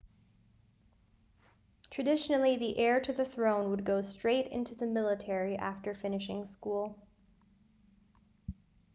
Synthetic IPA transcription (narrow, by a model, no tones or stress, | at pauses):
tʰɹ̥ɨdɪʃn̩l̩ˠiðiʔɛɹɾɨðɨθɹõʊ̃nwəd̚ɡoʊstɹ̥eɪɾɪ̰̃ntʉðɨmɪlˠətʰɛɹiʔæftə˞fɪ̃nɨʃɪ̃ŋskulˠ